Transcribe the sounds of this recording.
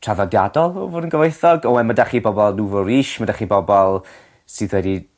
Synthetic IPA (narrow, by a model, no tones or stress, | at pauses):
tʰr̥aðɔdja̰dɔlˠɔvʊnənɡəveɨθɔɡɔɛmadaχibɔbɔlˠnuvɔɾiːʃmadaχibɔbɔlˠ | sɨːðwɛdi